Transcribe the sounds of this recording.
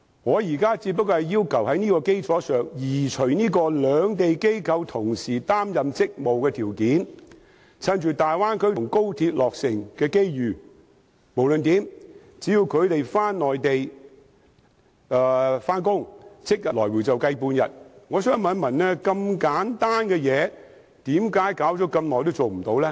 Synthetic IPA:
ŋɔː˨˧jiː˨˩kaː˥t͡siː˧t̚p̬ːɐ˥kːɔː˧hɐ˨jiː˥wkʰɐ˨˩whɐ˨˥jniː˥kɔː˧ke˥jt͡sʰɔː˨˥sœː˨ŋjiː˨˩t͡ʃʰɥniː˥kɔː˧lœː˨˧ŋt̪e˨jke˥jkʰɐ˧wt̪ʰʊ˨˩ŋsiː˨˩t̪aː˥mjɐ˨mt͡sɪ˥k̚mo˨wkɛː˧t̪ʰiː˨˩wkiː˨˥n | t͡sʰɐ˧nt͡ʃyː˨˩t̪aː˨jwaː˥nkʰɵ˥ɥʊ˨˩ŋko˥wt̪ʰiː˧t̚lɔː˨k̚sɪ˨ŋkɛː˧ke˥jjyː˨˩ | mo˨˩wlɵ˨nt̪iː˨˥m | t͡siː˨˥ji˧wkʰɵ˨˧ɥt̪e˨jfaː˥nːɔː˨jt̪e˨j | ɛ˧faː˥nkʊ˥ŋt͡sʰɪ˥k̚jɐ˨lɔː˨˩jwuː˨˩wt͡sɐ˨wkɐ˧jpuː˧njɐ̰˨t̚ŋɔː˨˧sœː˥ŋmɐ˨˥nmɐ˨˩nlɛ˥kɐ˧mkaː˨˥nt̪aː˥nkɛ˧jɛː˨˧ | t̪iː˨˥mkaː˨˥jkaː˨˥wt͡sɔ˨˥kɐ˧mnɔː˨jt̪o˥wt͡so˨wm̩˨˩t̪o˨˥wlɛː˥

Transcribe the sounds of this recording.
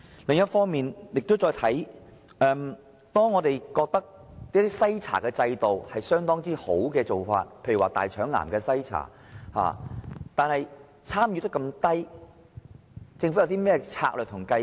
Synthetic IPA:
lɪ˨ŋjɐ˥t̚fɔː˥ŋmiː˨njɪ˨k̚t̪o˥wt͡sɔː˧jt̪ʰɐ˨˥j | ʔɛː˧m | t̪ɔː˥ŋːɔː˨˧t̪e˨jkɔː˧k̚t̪ɐ˥k̪̚i˥t̪i˥sɐ˥jt͡sʰa̰ː˨˩kɛː˧t͡sɐ˧jt̪o˨whɐ˨jsœː˥ŋt̪ɔː˥ŋt͡siː˥ho˨˥wkɛː˧t͡so˨wfa̰ː˧t̚pʰe˧jwaː˨˩t̪a̰ː˨jt͡ʃʰœː˨˥ŋla̰ː˨˩nkɛː˧sɐ˥jt͡sʰa̰ː˨˩ | ha̰ː˨t̪aː˨nhɐ˨j | t͡sʰaː˥mjyː˨˧t̪ɐ˥kɐ˧mt̪ɐ˥j | t͡sɪ˧ŋfu˨˥jɐ˧wt̪iː˥mɛː˥ɛ˧t͡sʰa̰ː˧k̚lœ˨˩t̪ʰʊ˨˩ŋkɐ˧

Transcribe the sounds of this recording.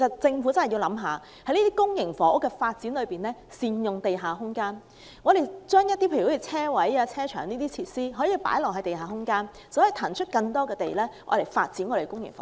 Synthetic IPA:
ke˨˩sɐ˨t̚t͡sɪ˧ŋfuː˨˥t͡sɐ˥nhɐ˨˩ji˧wlɐ˨˥mɦaː˨˧ | hɐ˨˥jniː˥t̪iː˥kʊ˥ŋjɪ˨˩ŋfɔː˨˥ʊ˥kːɛ˧faː˧t̚t͡si˨˥nlɵ˨˧piː˨˩nlɛː˥ | siː˧njʊ˨ŋt̪e˨jɦaː˨˩ɦʊ˥ŋkaː˥n | ŋɔː˨˧ɾe˨jt͡ʃœː˥ŋjɐ˥t̚t̪iː˥pʰːi˨˧t͡sʰɛː˥wɐ˨˥jaː˧t͡sʰɛː˥t͡ʃʰœː˨˩ŋniː˥t̪iː˥t͡sʰi˧t̚siː˥ɦɔː˨˥jiː˧pa̰ː˨˥jlɔː˨˩hɐ˨˦t̪e˨˩jhaː˨˩ɦʊ˥ŋkaː˥n | sɔ˨˥ji˨˧t̪ʰaː˨˩nt͡ʃʰɵ˥t̚kɐ˧ŋt̪ɔː˥kɛː˧t̪e˨jlɛː˥ŋɔ̰ː˨˧ɾe˨˩jfaː˧t̚t͡siː˨˥nŋɔː˨˧e˨˩kʊ˥ŋjɪ̰˨˩ŋfɔ̰˨˥

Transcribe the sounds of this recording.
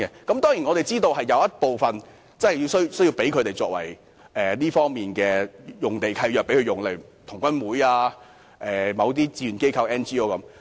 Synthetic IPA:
kɛ˧kɐ˨˥mt̪ɔː˥ŋji˨˩nŋɔ˨˧ɾe˨jt͡siː˥t̪o˧whɐ˨jːɐ˨˧wjɐ˥t̚po˨wfɐ˨n | t͡sɐ˥˨ji˧wsɵ˥ɥsɵ˥ji˧wpe˨˥jkʰɵ˨˧t̪e˨jt͡sɔː˧k̚wɐ̰˨˩j | ʔɛː˨˩liː˥fɔː˥ŋmiː˨nkɛː˧jʊ˨ŋt̪e˨jkʰɐ˧jjœː˨k̚pe˨˥kʰɵ˧jʊ˨˩ŋle˨jt̪ʰʊ˨˩ŋkʷwɐ˥nwuː˨˥jaː˧ | ʔɛː˨mɐ˨˧wt̪̬iː˥t͡siː˧˥y˨nke˥jkʰɐ˧wɛː˥nt͡ʃiː˥o˥wkɐ˨˦m

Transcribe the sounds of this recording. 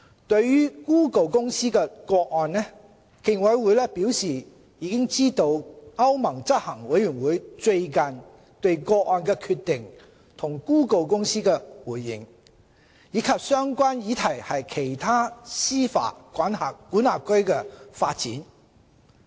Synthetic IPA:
t̪ɵ˧ɥːyː˥kuː˥ko˨wkʊ˥ŋsiː˥kɛː˧kɔː˧k̚ɔː˨˧nnɛ˥ | kɪ˧ŋwɐ˨˧jwuː˨˧jlɛː˥piː˨˥wsiː˨ | jiː˨˧kɪ˥ŋt͡siː˥t̪o˧wɐ˥wmɐ˨˩ŋt͡sɐ˥t̚hɐ˨˩ŋwɐ˨˥jɥyː˨˩nwuː˨˥jt͡sɵ˧ɥkɐ˨n | t̪ɵ˧ɥkɔː˧k̚ʔɔː˧nkɛː˧kʰyː˧t̚t̪ɪ˨ŋ | t̪ʰʊ˨˩ŋkuː˥ko˨˧wkʊ˥ŋsiː˥kɛː˧wuː˨˩jːɪ̰˨˩ŋ | jiː˨˧˥kʰɐ˨p̚sœː˥ŋkʷaː˥njiː˨˧t̪ʰɐ˨˩jhɐ˨jkʰe˨˩jt̪ʰaː˥siː˥fa̰ː˨˥kʷwaː˨˥nɦa̰ː˨˩kːu˨˥na̰ː˨p̚kɵ˥ɥkɛː˧faː˧t̚t͡siː˨˥n

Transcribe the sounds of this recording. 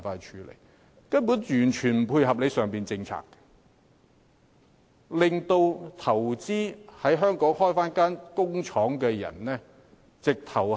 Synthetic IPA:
faː˧t͡ʃʰyː˨˧lḛ˨˩j | kɐ˥npu˨˥njyː˨˩nt͡ʃʰyː˨˩nm̩˨˩pʰuː˧jɦɐ˨p̚le˨˧jsœː˨ŋpiː˨nt͡sɪ˧ŋt͡sʰa̰ː˨kːɛ̥˧ | lɪ˨ŋt̪o˧wt̪ʰɐ˨˩wt͡siː˥hɐ˨˥jɦœː˥ŋkɔː˨˥ŋhɔː˥jfaː˥nkaː˥nkʊ˥ŋt͡ʃʰɔː˨˥ŋkɛː˧jɐ̰˨˩nlɛː˥ | t͡sɪ˨k̚t̪ʰɐ˨˩w

